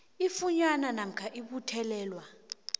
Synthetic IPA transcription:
ifuɲananam̩kʰaʔiɓutʰɛlɛːlwa

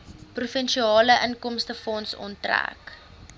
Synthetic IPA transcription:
prufɛnʃiɑːləʔənkɔmstəfɔnsɔ̰ntræ̰k

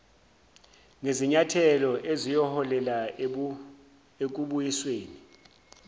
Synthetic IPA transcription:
ŋeziɲatʰɛlɔʔezijɔhɔlɛla | ek̬uɓujisweːni

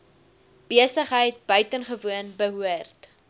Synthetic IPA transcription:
b̥iəsəχɦəjt̚bœɥtənχəvuənbəɦuərt

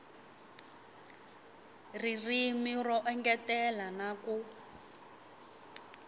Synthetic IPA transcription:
ririmirɔʔɛŋɡɛtɛlanaku

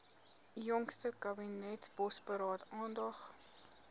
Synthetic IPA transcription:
jɔŋkstəkɐbinɛtsbɔspəɾɑːtɑːndɐχ

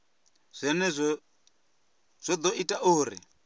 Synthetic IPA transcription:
z̥ʷɛnɛzʷ | z̥ʷɔd̪ɔʔitʼaʔuːɾḭ

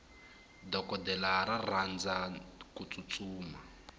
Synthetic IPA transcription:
dɔkɔdɛlaɾarand͡zakut͡sut͡suːma

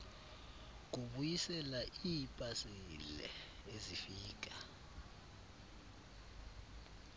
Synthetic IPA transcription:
k̬uɓujisɛlaʔipʼasilɛ̰ezifiːk̬ʼa

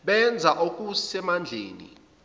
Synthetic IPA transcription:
ɓɛnd͡zʱaʔok̬ʼusɛmand͡ɮʱḛːnḭ

